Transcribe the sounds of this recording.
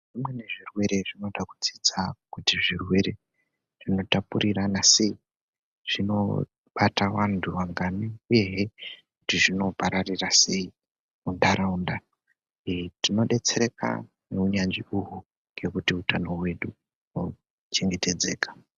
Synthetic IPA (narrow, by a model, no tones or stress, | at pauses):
ʐ̥imwe̞ne̞ʐirwe̞ɾe̞ʐino̞ɗaku̥d͡zid͡zakutiʐirwe̞ɾe̞ | ʐ̥ino̞tapuɾiranase̞i | ʐ̥ino̞̰ | ɓatawantʰuʋaŋɡaniuje̞ɦekutiʐino̞paɾarirase̞i | undaɾaunda | tino̞ɗe̞t͡se̞ɾe̞ka̰ | neuɲand͡ʒiuɦu | ŋɡe̞kutiutano̞we̞ɗu | no | t͡ʃe̞ŋɡe̞te̞d͡ze̞ːkḁ